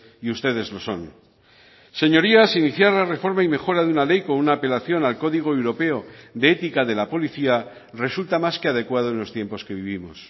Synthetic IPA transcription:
iust̪e̞ð̞e̞zlo̞so̞̰n | se̞ɲo̞ɾiasiniθjaɾlare̞fo̞ɾmaime̞xo̞ɾaðeunale̞jko̞nunaːpe̞laθjo̞nalko̞ðiɣ̞o̞ewɾo̞pe̞o̞ðeet̪ikaðe̞lapo̞liθia | re̞sult̪amaskeað̞e̞kwað̞oenlo̞st̪je̞mpo̞ske̞β̞iβ̞imo̞̰s

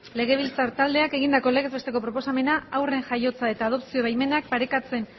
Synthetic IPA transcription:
le̞ɣ̞e̞β̞ilt͡saɾt̪ald̪e̞ake̞ɣ̞ind̪ako̞le̞ɣe̞zβe̞st̪e̞ko̞pɾo̞po̞same̞naawre̞ŋʝajo̞t͡sae̞t̪aːðo̞psio̞βajme̞nak̚paɾe̞kat͡se̞n

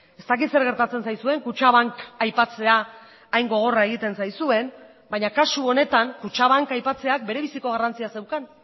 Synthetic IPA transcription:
e̞st̪ak̬it̪se̞ɾɣe̞ɾt̪at͡se̞nsajsue̞ŋkut͡ʃaβaŋkajpat͡se̞aː | jŋɡo̞ɣ̞o̞rae̞ɣ̞it̪e̞nsajsue̞n | baɲakasuo̞ne̞t̪aŋkut͡ʃaβ̞aŋkajpat͡se̞ak̚be̞ɾe̞βisiko̞ɣ̞arant͡siase̞wkan

